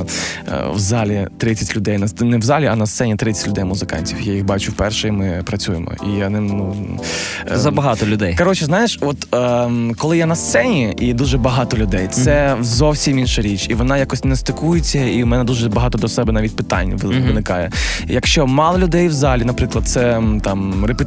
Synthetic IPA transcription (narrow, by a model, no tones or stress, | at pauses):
wzɑlʲitt̪ɾɪt͡sʲɐtʲlʲʊd̪ɛjnɐnɛwzɑlʲiɐnɐst̪sɛnʲit̪ɾɪt͡sʲɛ̥tʲlʲʊd̪ɛjmʊzɪkɑ̰nʲtʲiwjajixbɑt͡ʃʊwpɛrʃɛimɪpɾɐt͡sʲujḛmɔ̰ijɐnɪmnu | zɐbɐɦɑt̪ɔlʲʊd̪ɛjkɐɾɔt͡ʃɛznɑjɪʃɔt̪ː | kɔlˠɪjanɐst̪sɛnʲiʔid̪uʒɛbɐɦɑt̪ɔlʲʊd̪ɛjt̪sɛzɔwsʲiminʃɐɾʲit͡ʃʲiʋɔnɑjakɔsʲnɛst̪ɪkujɪt͡sʲːɐiwmɛnɛd̪uʒɛbɐɦɑt̪ɔd̪ɔsɛbɛnɑʋʲitʲpɪt̪ɑ̰nʲːʋʋɪnɪkɑjɛ̰jɐkʃt͡ʃɔmɑlˠɔlʲʊd̪ɛjwzɑlʲinɐpɾɪklˠɐd̪̚t̪sɛt̪ɑmrep